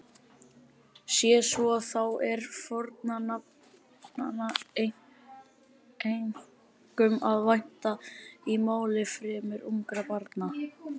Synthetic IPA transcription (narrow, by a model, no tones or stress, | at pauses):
sjɛsvɔaθawɛɾfɔɾt̪nanap | nana | ejŋ | kʏmaðvajn̥t̪aimaːwlɪfɾɪːmʏɾumkɾapaɾt̪na